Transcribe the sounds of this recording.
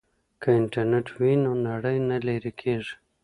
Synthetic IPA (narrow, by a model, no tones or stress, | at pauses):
kaɪɳʈaɾneʈwinonaɽəjnaleɾikʰeʐi̥